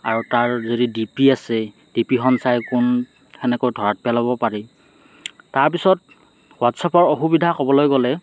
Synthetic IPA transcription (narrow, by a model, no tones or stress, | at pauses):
a̰ɹutaɹzodidipiasɛ | d̥ipixɔnsajkʊn | ɛnɛkojdʱɔɹat̚pɛlabɔpaɹi | taɹp̬isɔt̚ | watsapɔɹoxubidʱakɔbɔlojɡɔlɛ